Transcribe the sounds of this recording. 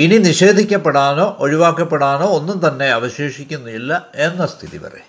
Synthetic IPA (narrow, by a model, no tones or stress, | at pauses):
ininiɕe̞ːd̪ʱikʲːɐpːeɽaːno̞ːʔoɻiʋaːkːɐpːeɽaːno̞ːonːumt̪ɐnːe̞ɐʋɐɕeːʂikʲːunːuilːɐe̞nːɐst̪ʰiðḭʋɐ̰rḛ